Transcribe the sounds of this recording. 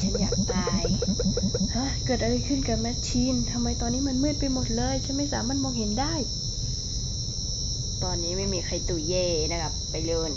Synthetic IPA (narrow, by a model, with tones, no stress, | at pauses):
t͡ɕʰa˦˥njaː˨˩k̚t̪aː˧j | ʔa˧˥˨kɤː˨˩t̪ʔa˧ɾa˧jkʰɯ˥˩˨nka˧˩ma˦˥t̪̚t͡ɕʰiː˧˥nt̪ʰa˧mːa˧jt̪ɔː˧nːiː˦˥m˧˥˨nmɯː˥˩˨t̪̚pa˧jmo˨˩t̪̚lɤː˧˨jt͡ɕʰa˦˥nma˧˥˩jsaː˨˦mːaː˧˥˨n̚mɔː˧ŋhɦe˨˦ndaː˥˩˨j | t̪ɔː˧nːiː˦˥ma˥˩jmiː˧kʰa˧˩jt̪uː˨˩jeː˧˩na˧kʰa˧˥pːa˨jlɤː˧˩n